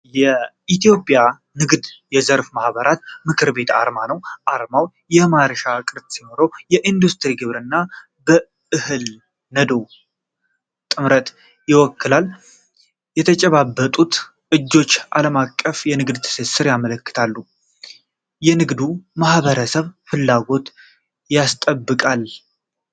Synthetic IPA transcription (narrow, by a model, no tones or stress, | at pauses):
jɛ | it̪ijo̞pʼja | nɨɡd̪jɛzəɾfmahβəɾʔat̪mɨkʰɨɾbe̞t̪a̰ɾmanəwʔaɾmaw | jɛmaɾʃakʼɨɾt̪ʼsinoɾo̞jɛʔind̪ust̪ɨɾiɡɨβɾɨnːa | bə | ʔɨhɨl | nəd̪o̞ | t̪ʼɨmɾət̪ | jɪwɔkːɨlalː | jɛt̪ʰət͡ʃʼɛβabːət̪ʼut̪ | ʔɨd͡ʒːo̞t͡ʃːʔa̰ləmakʼːəfjɛnɨɡd̪t̪ʰɨ̥sɪsɨɾjamələkːɨ̥t̪ʰalːu | jɛnɨɡd̪umahβəɾəsəβfɨlːaɡo̞t̪ | jast̪ʼəbːɨkʼal